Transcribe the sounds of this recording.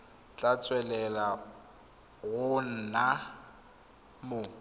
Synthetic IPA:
t͡ɬʼat͡sʼwɛlɛla | ɣʊn̩na | mʊ

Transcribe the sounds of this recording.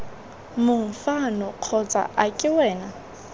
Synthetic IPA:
mʊŋ̩fanɔq͡χʰɔt͡sʼa̰ʔakʼɪwɛːna

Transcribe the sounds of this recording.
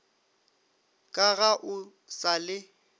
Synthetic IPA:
kʼaɣaʔʊ | salɪ

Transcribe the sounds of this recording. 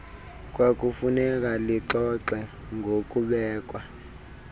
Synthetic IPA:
k̬ʼwak̬ʼufunɛk̬aliǀɔǀɛ | ŋɡʱok̬ʼuɓɛːk̬ʼwa

